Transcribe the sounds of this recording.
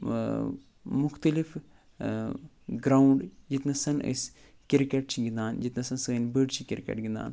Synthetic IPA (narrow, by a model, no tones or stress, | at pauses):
mʊxt̪əlif | ɡɾaːuɳɖd͡ʒit̪nɐsɐnə̰s | kiɾkeʈ̚t͡ʃʰiɡʲĩnd̪aːnd͡ʒit̪nɐsɐnsɐɡɐnbəɖt͡ʃʰikʲiɾkḛʈɡind̪a̰ːn